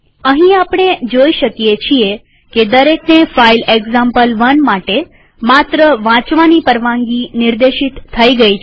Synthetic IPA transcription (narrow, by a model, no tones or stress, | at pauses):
əɦĩapɽ̃ed͡ʒoiʃəkijet͡ʃʰie | ked̪əɾeknefaileɡzãmpəlʋənmaʈe | mat̪ɾəʋãt͡ʃʋanipəɾʋãŋɡiniɾd̪eʃit̪ʰːəiɡəi